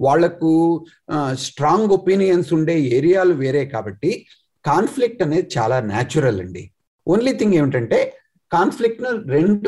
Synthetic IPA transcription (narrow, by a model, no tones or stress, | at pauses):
ʋaːɭːɐku | sʈɾaːŋɡo̞piːnijɐnsuɳɖe̞ːeːɾijaːluʋeːɾe̞ːkaːbɐʈːi | kaːnpʰlik̚ʈɐne̞ːd̪it͡ʃa̰ːlaːna̰ːt͡ʃuɾɐlɐ̰ɳɖi | onlit̪ʰiŋɡe̞ːʋiʈɐɳʈe̞ː | kaːnpʰlik̚ʈnuɾe̞ɳɖ